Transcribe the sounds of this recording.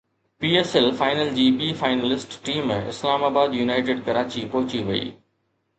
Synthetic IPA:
piːeːsɛlfaːɪnəld͡ʑiːbiːfaːɪnəlɪsʈʈiːmɪ̰slaːmaːbaːd̪junaːɪʈeːɖkɐɾaːt͡ɕipɔɦʊt͡ɕiʋɐḭː

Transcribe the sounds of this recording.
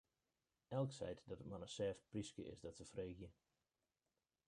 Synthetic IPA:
ɛlˠksɛ̰jtdɔtətmanənsɛːft̚priskə̰ɪ̰sdɔtsəfreːɡjə

